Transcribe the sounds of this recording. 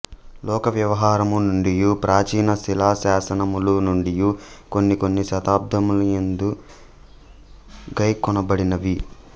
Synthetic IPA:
lɔːkɐʋjɐʋɐɦaːɾɐmunuɳɖijupɾʔaːt͡ʃiːnɐsilaːsaːsɐnɐmulunuɳɖijuko̞nːiko̞nːiʃɐt̪aːb̚d̪ʱɐmulujend̪u | ɡɐjkːɔnɐbɐɽinɐʋi

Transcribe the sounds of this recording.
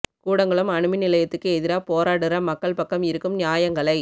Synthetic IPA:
kuːɽɐŋɡɐɭɯmɐɳɯmɪnɪlɐjɐt̪ːɯkːɯɛðɪɾaːpoːɾaːɽɯɾɐmɐkːɐɭpɐkːɐmɪɾɯkːɯmnɪjaːjɐŋɡɐɭɐɪ

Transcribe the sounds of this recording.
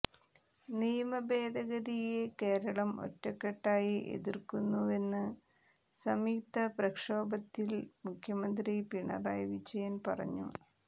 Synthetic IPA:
nijɐmɐbe̞ːd̪ʱɐɣɐðijeke̞ːɾɐɭɐmo̞̰tːɐkːeʈːaːjiʔe̞̰ðirkunːue̞nːɨ | sɐmiːt̪ɐprɐkʂoːbɐt̪ːilmukʰjɐmɐnd̪ripiɳɐ̰raːjʋid͡ʑɐjɐnpɐrɐ̰ɲːṵ

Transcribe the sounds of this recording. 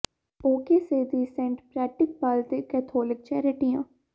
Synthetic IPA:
oːkeːseːd̪iːsɛ̃ːɳʈpɾɛːʈɪk̚baːlt̪eːkɛːt̪ʰoːlɪk̚t͡ʃɛːɾɪʈijãː

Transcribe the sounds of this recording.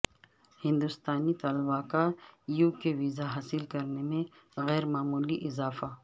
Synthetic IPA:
hɪ̃nd̪ʊst̪aːnit̪aːlbaːkaːɾjuːkeʋiːzaɦaːsɪlkɐɾnemẽ | ɣɛːɾmaːmuːliʔɪzaːfa

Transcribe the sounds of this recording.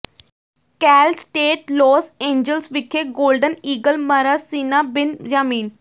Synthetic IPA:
kɛːlsʈeːʈloːsẽːɲd͡ʒəlsʋɪkʰːeːɡoːlɖəniːɡəlməɾasiːnaːbɪnd͡ʒaːmiːn

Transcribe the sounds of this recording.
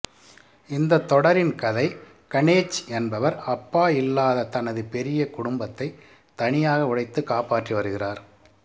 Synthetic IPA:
ɪnd̪ɐt̪ːɔɽɐɾɪnkɐðɐɪ | kɐɳeːt͡ʃːɛnbɐʋɐɾɐpːaːɪlːaːðɐt̪ɐnɐðɯpɛɾɪjɐkʊɽʊmbɐt̪ːɐɪ | t̪ɐɳɪjaːɣɐʊɽɐɪt̪ːɯkaːpaːʈriʋɐɾɯɣɪraːɾ

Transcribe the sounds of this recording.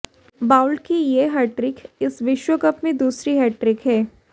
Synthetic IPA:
baːʊlɖkijeɦɛːʈɾɪkɪsʋɪʃwəkɐpmẽd̪uːsɾiɦɛːʈɾɪkɦɛː

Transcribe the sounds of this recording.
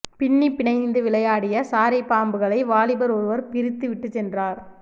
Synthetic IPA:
pɪɳːipːɪɳɐɪnd̪ɯʋɪɭɐjaːɽɪjɐsaːɾɐɪpːaːmbɯɣɐɭɐɪʋaːɭɪbɐɾɔɾɯʋɐɾpɪɾɪt̪ːɯʋɪʈːɯt͡ʃːɛndraːɾ

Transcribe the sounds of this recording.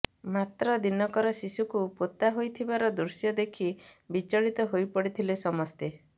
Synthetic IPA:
mat̪ɾɔd̪inɔkɔɾɔsisukupot̪aɦojt̪ʰibaɾɔd̪uɾsjɔd̪ekʰibit͡ʃɔɭit̪ɔɦojpɔɽit̪ʰilesɔmɔst̪e

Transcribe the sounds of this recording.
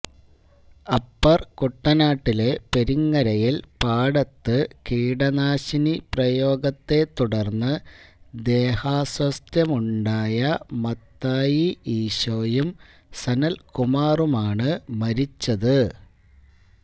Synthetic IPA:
ɐpːɐrkuʈːɐnaːʈːile̞pe̞ɾiŋːɐɾɐjilpaːɽɐt̪ːɨkiːɽɐnaːɕiniprɐjo̞ːɡɐt̪ːe̞t̪ːuɽɐrnːɨd̪e̞ːhaːswɐst̪jɐmuɳɖaːjɐmɐt̪ːaːjiiːɕoːjum | sɐnɐlkumaːrumaːɳɨmɐɾit͡ɕːɐðɨ

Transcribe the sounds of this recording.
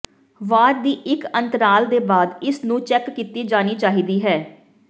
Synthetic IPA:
ʋaːɾd̪iːʔɪkənt̪əɾaːld̪eːbaːd̪ɪsnũːt͡ʃɛːkːiːt̪iːd͡ʒaːniːt͡ʃaːɦiːd̪iːɦɛː

